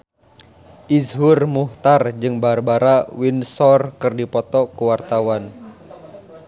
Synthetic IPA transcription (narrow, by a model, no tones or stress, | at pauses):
ʔizɦurmuht̪ard͡ʒɨŋbaɾabaɾawinsɔrkɨrdipɔt̪ɔkuwart̪awan